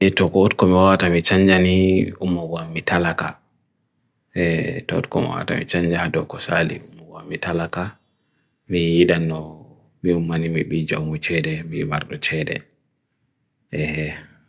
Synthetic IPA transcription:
ɛtɔkɔːtkɔmiwatamit͡ʃaɲd͡ʒaniumːɔɡamːitalaka | ɛtɔɔ̰tkɔ̰mḭwa̰ta̰mḭt͡ʃaɲd͡ʒahadɔkɔsa̰lḭumːɔɡamːitalaka | mijiɗanːɔ | miumːanimiɓid͡ʒawmut͡ʃɛɗɛmimaɾɗɔt͡ʃɛɗɛ̰ | ʔɛhɛ

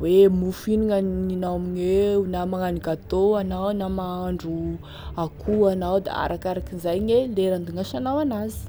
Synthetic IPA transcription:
wemufiniŋəninawamiɲweunamaŋanikat̪oanawnamaaɳɖ͡ʐu | akʰuanawd̪a̰a̰ɾʔakaɾakinzajɲeleɾand̪uŋaʃanawanazi̥

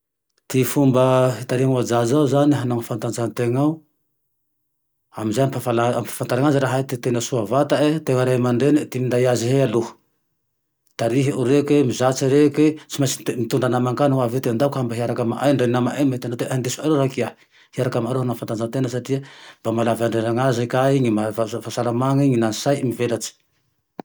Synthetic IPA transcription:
t̪ifumbəɦit̪aɾiaŋuad͡zazauzaniɦanaŋfant̪and͡zant̪eŋa | aminzajamfafalaamfḁfant̪aɾaŋaziɾaɦait̪it̪enəsuavat̪aet̪eŋəɾajmaɳɖ͡ʐenit̪imind̪aiaziɦealu̥ | t̪aɾiɦiuɾekwemizat͡siɾeket͡simajsimit̪uɳɖ͡ʐanamaŋkanwavet̪eand̪akambaɦiaɾakəmaʔajɳɖ͡ʐeinamaʔajmet̪anad̪eand̪esuaɾeɾakia | hiaɾakamaɾoɦanafant̪and͡zant̪enəsaʈ͡ʂiamb̥amalavaɳɖ͡ʐeɾaŋazakaiɲimavafasalamaŋiɲinansajmivelat͡si̥

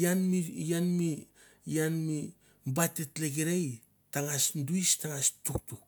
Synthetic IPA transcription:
janmijanmi | janmi | mbatːetlek̬eɾej | taŋasnduistaŋastuk̚tuk̚

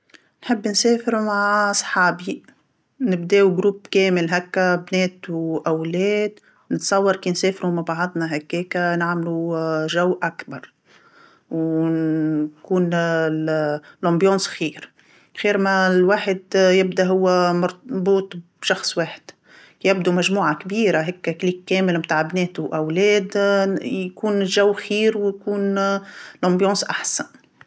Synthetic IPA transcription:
nħɪbːnseːfɪɾmaʕsˤħɑːbi | nɪbd̪eːwɡɾuːbkɛːmɪlɦakːabnɛːt̪wʔæwlɛːd̪ | nɪt̪sˤɑwːɑɾˤkiːnsɛːfɾumabɑʕɑd̪ˤnaɦakːɛːkanaʕmluʒawːʔakbɑɾˤ | w | kuːn | lɑ̃mbjɑ̃ːsxiːɾ | xiːɾmælwaːħɪd̪jɪb̚d̪aɦʊwːæmɑɾbuːt̪ˤ | ʃɑxsˤweːħɪ̥d̪̥ | jɪbd̪umæʒmuːʕakbiːɾaɦɛkːkliːkːɛːmɪlmt̪aːʕbnɛːt̪ʊʔæwlɛːd̪jkuːnʒæwːxiːɾwjkuːn | lɑ̃mbjɑ̃ːsʔaħsæn

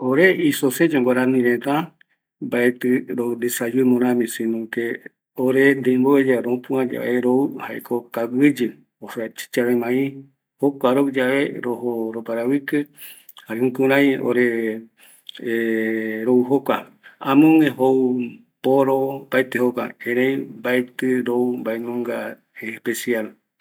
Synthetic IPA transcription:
oɾeisosed͡ʒoŋɡoɾãnĩɾẽt̪a | mbaet̪ɨɾond̪esad͡ʒɨmõɾãmĩsĩnõke | oɾend̪eimboed͡ʒaɾõpũãd͡ʒa̰ʔeɾoɨhaekʰokawɨd͡ʒɨ | osat͡ʃi̥t͡ʃaɾemãĩ | hokʷaɾod͡ʒaβeɾoɦoɾopaɾawikɨ | haɾẽŋkuɾ̃ãĩj̃o̰ɾe | ɾouɦokʷa | ãmõŋẽɦou | poɾopaet̪ehokʷa̰ẽɾ̃ẽj̃mbaet̪ɨɾoumbaenõŋɡa | espesial

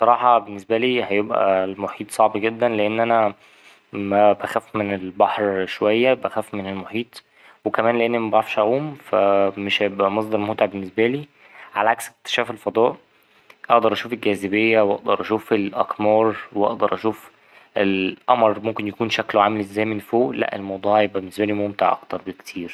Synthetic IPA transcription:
sˤɑɾˤɑːħɑbenːesbæliːhæjebʔæ̰lmoħiːt̪ˤsˤɑʕbɡed̪ːænleʔenːʔænæ | mæbæxæfmenelbɑħɾʃowæjːæbæxæfmenelmoħiːt̪ˤ | wekæmæːnleʔenːimæbæʕafʃʔæʔuːmfæmeʃhæjebʔæmɑsˤd̪ɑɾˤmot̪eʕbenːesbæliː | ʕalæʕaksek̚t̪e̥ʃæːfelfɑd̪ˤɑːʔ | ʔɑʔd̪ɑɾˤʔæʃuːfelɡæːzebejːæwʔɑʔd̪ɑɾˤʔæʃuːfelʔæqmɑːɾˤweʔɑ̰ʔd̪ɑɾˤʔæʃuːf | elʔɑmɾˤmomkenjækuːnʃækloʕaːmelʔezæːjmenfoːʔlæ̰ʔḛlmɑwd̪ˤuːʕjebʔæbenːesbæliːmomt̪eʕʔɑ̰kt̪ɑɾˤbekt̪ʰiːɾ

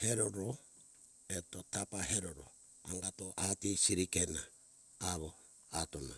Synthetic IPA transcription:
he̞ɾoɾo | eto̞tapaɦeɾoɾo̰ | a̰ŋɡatoʔatisiɾikenaː | βo | atona

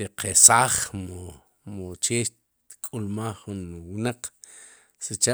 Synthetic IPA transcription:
eqʰesaːχmo | mot͡ʃeːʃ | kʼulmaːχːunwnaq͡χ | sit͡ʃa

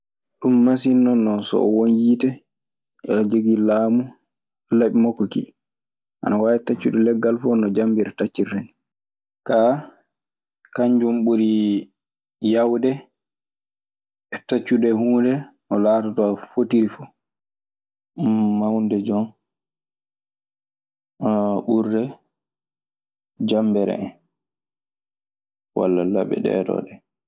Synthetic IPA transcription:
ɗumːas̬inːɔnːɔsɔ̰ʔɔwonjitɛ | ɛ̰ld͡ʒoɡilaːmu | laɓimɔkːɔkḭ | ʔa̰nawajɛtat͡ʃːuɗɛlɛɡːalfɔnːɔd͡ʒambiɾɛtat͡ʃːireni | ka | kaɲd͡ʒɔmɓuɾi | jawdɛ | ɛtat͡ʃːudɛhuːdɛ | ɔlaːtatɔafotiɾifɔ̥ | awndɛd͡ʒɔn | ɓuɾːɛ | d͡ʒambɛɾɛ̰ɛn | wa̰lːala̰bɛ̰ɗɛ̰ːdɔ̰ɗɛ

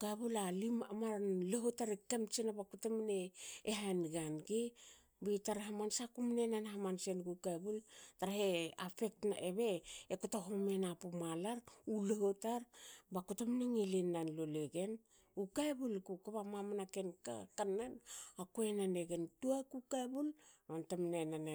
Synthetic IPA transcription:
kaβulalimamaɾnleɦotaɾekemt͡ʃenabakutemneːɦaenɡanɡe | bitaɾɦamansakumnenanɦamansenɡukaebultaɾaɦeafe̞k̚tnaeβe̞ekutaɦomenapumalaɾulehotaɾbakutemneŋelinanloleɡe̞n | ukaebulkukaβamamanake̞nka̰kanːanakuenaneɡe̞ntuakukaebulontamnenane

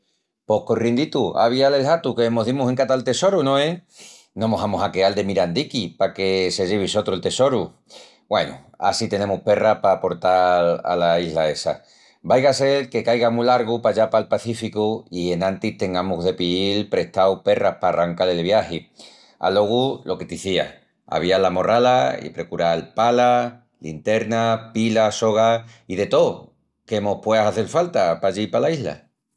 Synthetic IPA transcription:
po̞hkorjend̪it̪ua̰β̞iale̞lhat̪ukemoɦðimuseŋkat̪alt̪e̞so̞ɾunõe | nomoɦamosakeald̪e̞miɾand̪ikipake̞se̞ʝeβ̞iso̞t̪ɾoelt̪e̞so̞ɾu | bwe̞̰nṵ | a̰sit̪e̞ne̞muhpe̞rahpapo̞ɾt̪ala̰laiɦlae̞sa̰ | bajɣase̞lke̞kajɣamuilaɾɣupaʎapalpaθifikuie̞nãnt̪iht̪e̞ŋɡamuɦðe̞piilpɾe̞ht̪awpe̞rahpaːraŋkalelβ̞jahi | a̰lo̞ɣ̞ulo̞ke̞t̪iθia̰ | a̰β̞ialamo̞ralaḭpɾe̞kuɾalpala | lint̪e̞ɾnapilaso̞ɣ̞aiðe̞t̪o̞ | ke̞mo̞hpwe̞asaθelfalt̪apaʝipalaiɦla̰

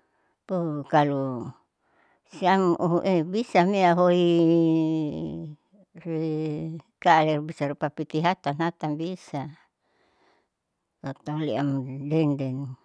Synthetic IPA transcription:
pukalu | siamʔuɦuʔebisamiaɦoi | ri | kaːlɛrbisaɾupapit̪iɦat̪anɦat̪anbisa | t̪at̪auliamdɛndɛn

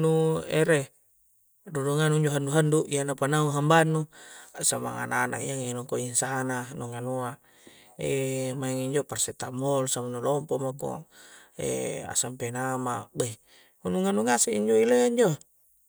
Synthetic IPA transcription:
nuḛɾe | duduŋanuiɲd͡ʒoɦanduɦanduʔianapanauɦambanːusama̰ŋa̰nana̰ʔiaŋinɔŋkoinsananoŋanua | emaeŋiɲd͡ʒoparset̪amolsamanulɔmpomako̰ḛa̰sampenamabe | unuŋanuŋaseiɲd͡ʒoileɲd͡ʒo

